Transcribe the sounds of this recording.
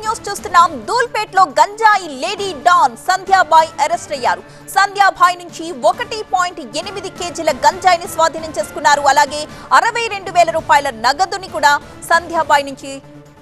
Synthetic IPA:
juːst͡ʃuːst̪unːaːmd̪uːlpeːʈlo̞ːɡɐɲd͡ʒaːjile̞ːɖiːɖaːnsɐnd̪ʱjaːbʱaːjiʔɐɾesʈɐjːaːɾu | sɐnd̪ʱjaːbʱaːjinuɲt͡ʃiɔkɐʈipaːjiɳʈenimid̪ike̞ːd͡ʒilɐɡɐɲd͡ʒaːjinisʋaːd̪ʱiːnɐmt͡ʃe̞ːsu̥kunːaːɾuɐlaːɡe̞ːɐɾɐʋɐjɾe̞ɳɖuʋɛːlɐɾuːpaːjɐlɐnɐɡɐd̪unikuːɽaː | sɐnd̪ʱjaːbʱaːjnuɲt͡ʃi

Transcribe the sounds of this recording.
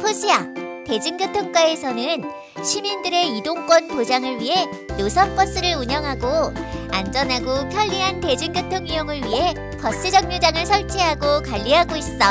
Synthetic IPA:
pʰoɕʰiate̞d͡ʑɯŋɡɯtʰok͈waesʰʌnɯn | ɕʰimindɯɾe̞idoŋk͈wʌnpod͡ʑaŋɯɭɥiɦe̞ | josʰʌmp͈ʌs͈ɯɾɯɾuɲʌŋɦaɡoa̰nd͡ʑʌnɦaɡokʰaʎːiɦante̞d͡ʑɯŋɡɯtʰoŋijoŋɯɭɥiɦe̞ | pʌs͈ɯd͡ʑʌŋ̚ɲod͡ʑaŋɯɭsʰʌɭt͡ɕʰeɦaɡokaʎːiɦaɡois͈ʌ

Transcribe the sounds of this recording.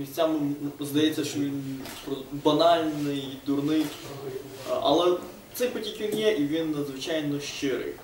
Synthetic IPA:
mʲisʲtʲt͡sʲamɪmzd̪ɐjɛt͡sʲːɐʃt͡ʃɔʋʲinpɾɔbɐnɑlʲnɪjd̪ʊrnɪj | ʔɐ̰lˠɛ | t̪sɛjpɔtʲikʲʋʲinjɛʔiʋʲinːɐd̪zʋɪt͡ʃajnɔʃt͡ʃɪɾɨɪ̰x

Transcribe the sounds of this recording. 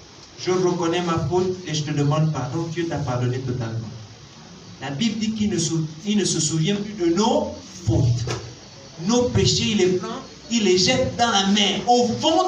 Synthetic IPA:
ʒəʁəkɔnɛmafot̪eʒət̪əd̪əmɑ̃d̪paʁd̪ɔ̃d̪jøt̪apaʁd̪ɔnet̪ɔt̪almɑ̰̃ | labibld̪ikiilnəsəsuvjɛ̃plyd̪ənofot̪ | nopeʃeilɛɡʁɑ̃ | ilːeʒɛt̪d̪ɑ̃lamɛ̃ofɔ̃

